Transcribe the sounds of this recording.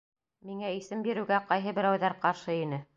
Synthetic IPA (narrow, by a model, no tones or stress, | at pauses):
miŋæisɘmbiɾɘ̆wɡæqɑjɦɤ̆bɘ̆ɾæwðæɾqɑɾʃɤinɘ